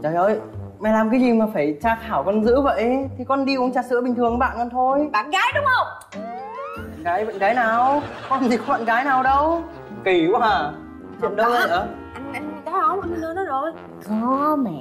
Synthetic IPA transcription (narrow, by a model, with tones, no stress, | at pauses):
t͡ɕɔː˨˩jə˧˩j | mɛ˨˩laː˨˩mkaː˨˦jzi˨˩maː˨˩faː˧˩jt͡ɕaː˧xaː˧˩wkɔ˧˩nzɨ̰˧˥və̰˧˨jt̪ʰi˨˩kɔ˨˧nɗi˧ʔu˨˦əŋt͡ɕaː˧˩sɨ̰˧˥əɓï˨˩ŋ̟t̪ɨ˨˩əŋɓa̰ː˧˨nkɔ˧nt̪ʰo˧jɓa̰ː˧˨nɣaː˨˦jɗʊ˨˦ŋ͡mhə˧wŋ͡m | ɓa̰ː˧˨nɣaː˨˦jɓa̰˧˨nɣaː˨˦jnaː˨˩wkɔ˧nt̪ʰi˨˩kŋ͡mmɓa̰˧˨nkaː˨˦jnaː˨˩wɗə˧w | ki˧˩˧waː˨˧˩ | t͡ɕə̰˧˨nɗə˧˨˧ə˧ | ʔa˧jŋʔa˧ŋ˧˨kaː˨˦ɔ˨˦mɔ̰˧˥nə˨˧˦nɨ˧˥nɔ˨˦jzɔ˨˦ | kə˨˧˦mɛ˧˨